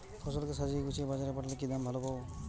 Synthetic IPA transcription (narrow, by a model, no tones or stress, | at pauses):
kʰɔsɔlkɛsaziɡusibazaɾɛpaʈʰalekid̪ambʱalɔbɔ